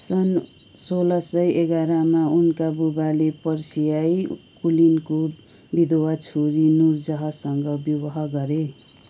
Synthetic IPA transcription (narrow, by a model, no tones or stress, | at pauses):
sʌn | solʌsʌjeɡaɾamaunkabubalepʌrsijajkulinko | bid̪owat͡sʰoɾinurd͡zʌɦʌsʌŋɡʌbjuwʌɦʌɡʌɾe